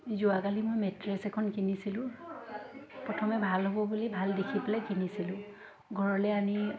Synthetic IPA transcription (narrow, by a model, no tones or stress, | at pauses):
zuakalimojmɛtɹesɛkʰɔnkinisilʊ̃ | pɹɔtʰɔmɛbʱalɦobɔbulibʱaldekʰipelɛkinisilʊ̃ | ɡʱɔɹɔlɛami